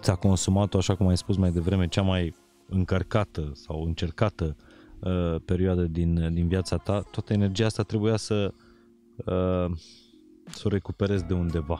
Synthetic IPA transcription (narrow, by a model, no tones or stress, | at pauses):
t̪sʲako̞nsumat̪oaʃakumajspusmajd̪e̞vɾe̞me̞t͡ʃamaj | ɨŋkərkat̪əsawɨnt͡ʃe̞rkat̪ə | pe̞ɾioad̪əd̪ind̪inviat̪sat̪at̪oat̪əene̞rd͡ʒijaast̪at̪ɾe̞bujasə | ə | so̞ɾe̞kupe̞ɾe̞zd̪e̞und̪e̞va